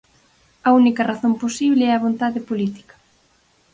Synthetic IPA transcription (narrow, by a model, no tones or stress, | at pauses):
ɐunikɐraθomposiβlɪɛɐβont̪aðɪpolit̪i̥kɐ̥